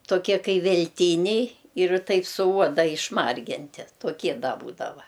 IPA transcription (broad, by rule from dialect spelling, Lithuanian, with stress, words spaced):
toːˈkʲiɛ ˈkɐɪ ʋʲɛlʲˈtʲiːnʲɛɪ ɪr ˈtɐɪp sʊ ˈuɔdɐ ɪʃˈmɐrʲɡʲɪnʲtʲɪ toːˈkʲiɛ ˈdɐ ˈbuːdɐʋɐ